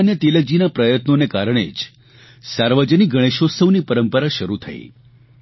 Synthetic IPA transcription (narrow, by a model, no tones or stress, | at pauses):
njət̪eləd͡ʒinapɾəjət̪nonekaɾəɳ̃ḛd͡ʒ | saɾʋəd͡ʒəniɡʱəɽ̃eʃosəʋnipəɾəmpəɾaʃəɾut̪ʰə̰ḛ